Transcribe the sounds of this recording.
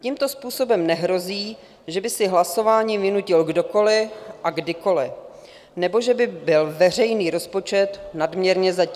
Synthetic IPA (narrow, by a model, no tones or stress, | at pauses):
cimt̪o̞spuːso̞bɛmnɛɦɾo̞ziː | ʒɛbɪsɪɦlaso̞vaːɲiːvɪnucɪlɡdo̞ko̞lɪʔaɡdɪko̞lɪ | nɛbo̞ʒɛbɪbɪlvɛr̝ɛjniːɾo̞spo̞t͡ʃɛt̪nadmɲɛɾɲɛzac